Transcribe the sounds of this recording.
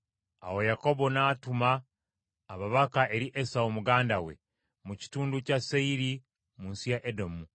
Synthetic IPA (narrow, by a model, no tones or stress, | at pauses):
a̰wo̞jako̞bo̞naːtumaː | βaβakaʔeɾiʔesawomuɡaːndawe̞̰ | muci̥tuːnducaseiɾi | muːnsijaʔedomu